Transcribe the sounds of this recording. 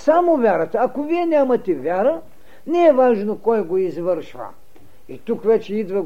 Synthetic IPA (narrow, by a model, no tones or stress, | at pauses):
samovʲjaɾət̪ɐɐkoviɛnʲamɐt̪ɛvʲjaɾə | nɛɛvaʒnokɔjɡoizvəɾʃvə̰ | it̪ukvɛt͡ʃɛid̪vɐ